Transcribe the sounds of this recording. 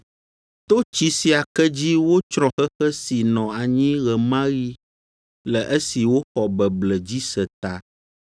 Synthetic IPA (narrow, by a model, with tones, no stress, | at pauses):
t̪o˦t͡ɕi˦si˨a˨kɛ˦d͡ʑi˦wo˦t͡ʃɾ̃ɔ̃˨xɛ˦xɛ˦si˨nɔ̃˨a˨ɲĩ˦ɣɛ˨mã˦ɣi˦ | lɛ˨ʔə˦si˨wo˦xɔ˨bɛ˨blɛ˨d͡ʑi˦sə˨t̪a˨